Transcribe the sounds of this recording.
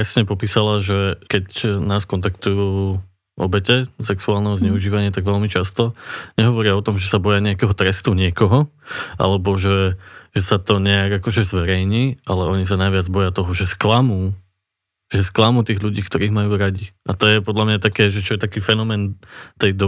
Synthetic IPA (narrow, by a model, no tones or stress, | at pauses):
ɾɛsɲɛpɔpiːsalaʒɛkɛcnaːskɔnt̪akt̪ujuː | ʔɔ̰bɛcɛsɛksuaːlˠnɛɦɔzɲɛuʒiːʋaɲɪat̪aɡʋɛlmit͡ʃast̪ɔɲɛɦɔʋɔɾɪaɔt̪ɔmʒɛsabɔjaɲɛakɛɦɔt̪ɾɛst̪uɲɪɛkɔɦɔ | ʔa̰lɛbɔʒɛʒ̥ɛsat̪ɔɲɛaɡakɔʒɛzʋɛɾɛjɲiːʔalɛɔɲisanajʋɪad͡zbɔjat̪ɔɦɔʒɛsklamuː | ʒɛsklamuːt̪iːɣʎuɟiːkt̪ɔɾiːɣmajuːɾaɟiʔat̪ɔjɛpɔd̪ʎamɲat̪akɛːʒɛt͡ʃɔjɛt̪akiːfɛnɔmɛːnt̪ɛjd̪ɔ